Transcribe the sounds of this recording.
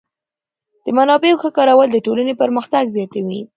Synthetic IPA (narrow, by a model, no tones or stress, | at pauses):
d̪̥əmanɑbeoxəkɑɾawəld̪əʈolanepəɾməxt̪aɡzjɑt̪awi